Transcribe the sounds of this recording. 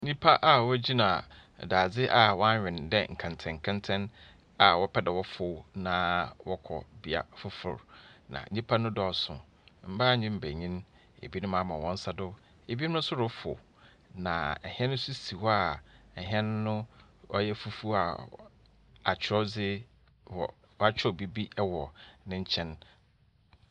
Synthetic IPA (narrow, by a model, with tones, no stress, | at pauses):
ɲĩ˦pʰa˦ʔa˨wɔ˦d͡ʑi˦nã˨ | da˨d͡zɪ˦ʔa˨wɔ̃˦a˦˨ɪ̃˨ndɛ˦ŋ̩˨kʰã˨ntʰɛ̃˨ŋ̩˨kʰã˦ntʰɛ̃˦n | a˨wɔ˦pʰɛ˦dɛ˨wɔ˦fʊ˦wnã˨˦wɔ˦kʰɔ̰˨bi˨a̰˦fʊ˦fʊ̰˨ɾnã̰˨˦ĩ˦pʰa˦nʊ̃˦dɔ˨sʊ̰̃˨ | m̩˦ba˦˨ɲĩ˦m̩˨bæ˨ɲĩ˦n | ḛ˨bi˦nʊ̃˦mã˨˦mã˨wɔ̃˦n˦sa˦dʊ˦ | e˨bi˦nʊ̃˦ʊ̃˦sʊ˦ɾʊ˦fʊ̰˨ | nã˨ɛ˨hi˦ɛ̃˦nʊ̃˦su˦si˨wɔ˦a˨ɛ˨ɦɛ̃˦ñ˦nʊ̃˦ɔ˦jɛ˦fu˦fu˦a̰˨ | a˨t͡ɕʰɔ˦d͡zɪ˦ | wɔ̰˨ | wa˦t͡ɕʰᶣɔ˦˨bi˦bi˦ɛ˦wɔ˨nɪ̃˦ɲ̩˦t͡ɕʰɛ̃˦n